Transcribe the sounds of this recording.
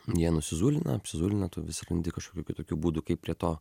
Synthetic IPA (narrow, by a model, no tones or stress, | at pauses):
jiɛnʊsʲɪzuːlʲɪnɐ̰ɐpʲsʲɪzuːlʲɪnɐt̪ʊʋʲɪsʲɪɾɐnʲd̪ʲɪkɐʃkoːkʲuːkʲʊt̪oːkʲuːbuːd̪ʊkɐɪpʲɾʲiɛt̪oː